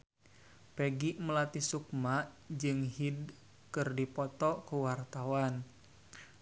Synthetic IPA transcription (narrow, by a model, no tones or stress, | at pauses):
peɡiʔməlat̪isuk̚maʔ | d͡ʒɨŋɦid | kɨrdipɔt̪ɔkuwart̪awan